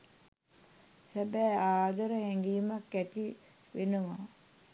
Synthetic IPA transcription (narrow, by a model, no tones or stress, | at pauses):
sæbɛːaːd̪əɾəhɛŋɡiːmakːæt̪i | ʋenəʋa